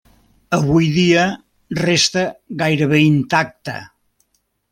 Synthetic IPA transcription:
əβ̞ujðiə | rest̪əɣajɾəβ̞eint̪ak̚t̪ə̰

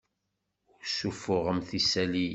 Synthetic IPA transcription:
sufʊʁəmθisæli

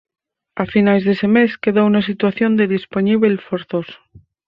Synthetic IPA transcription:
afinazðese̞me̞ske̞ðounas̬it̪waθjo̞nd̪eðisponiβelfoɾθoso̥

